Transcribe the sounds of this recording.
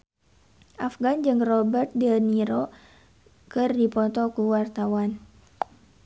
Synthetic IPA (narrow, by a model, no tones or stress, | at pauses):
ʔafɡand͡ʒɨŋrɔbərt̪̚dəniɾo | kɨrdipɔt̪ɔkuwart̪awan